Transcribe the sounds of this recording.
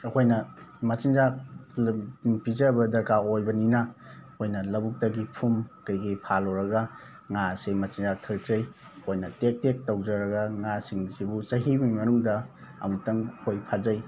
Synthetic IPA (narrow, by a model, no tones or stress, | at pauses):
ɐkʰojnɐmɐt͡ʃinzak̚ | pizɐbɐdɐɾkaojbɐninɐkʰojnɐlɐbuk̚tɐɡipʰumkɐjɡipʰaloɾɐɡɐ | ŋasemɐt͡ʃinzak̚tʰɐɾ̚zɐj | kʰojnɐtek̚tek̚tɐwd͡ʒɐɾɐɡɐŋasiŋzibut͡ʃɐɦimimɐnuŋdɐ | ɐ̰mutɐŋkʰojpʰazɐj